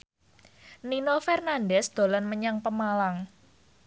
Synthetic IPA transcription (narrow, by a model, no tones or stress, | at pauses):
ninofɛrnanɖɛsd̪̥o̤lanməɲaŋpəmalaŋ